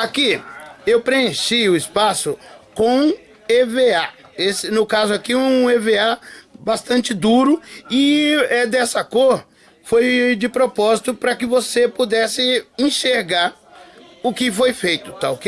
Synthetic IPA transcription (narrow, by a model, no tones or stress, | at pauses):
akiewpɾeẽʃiʊɪspasʊkõ | evea | esɪnʊkazʊakiũeveabast̪ɐ̃nt͡ʃɪd̪uɾʊɪɛd̪ɛsɐkoɾ | fojd͡ʒɪpɾopɔzit̪ʊpɾɐkɪvosepud̪ɛsɪẽʃeɾɡaɾ | ʊkɪfojfejt̪ʊ̥t̪aʊke